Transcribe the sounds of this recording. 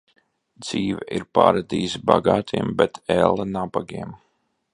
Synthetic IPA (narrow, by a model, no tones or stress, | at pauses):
d̪z̥iːvɛʔiɾpa̰ːɾad̪iːsbaɡaːt̪ʰiɛmbɛt̪ʰɛlˠːanabaɡiɛm